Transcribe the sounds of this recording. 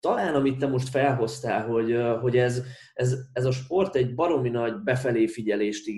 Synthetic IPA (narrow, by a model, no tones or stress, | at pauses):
t̪ɒlaːnɒmit̪ːɛmo̞ʃt̪fɛlɦo̞st̪aːlɦo̞ɟɦo̞ɟɛz | ɛzɛzɒʃpo̞rt̪ɛɟbɒɾo̞minɒɟbɛfɛleːfiɟɛleːʃt̪i